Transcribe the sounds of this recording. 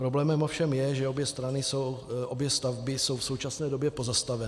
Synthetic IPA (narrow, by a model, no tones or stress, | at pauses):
pɾo̞blɛːmɛmo̞fʃɛmjɛʒɛobjɛst̪ɾanɪsowʔobjɛst̪avbɪso̞wfso̞wt͡ʃasnɛːdo̞bjɛpo̞zast̪avɛn